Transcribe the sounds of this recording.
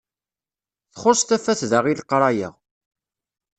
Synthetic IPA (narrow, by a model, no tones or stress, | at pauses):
θχʊsˤt̪æfæθðəʁilqɾˤɑjə̰ʁ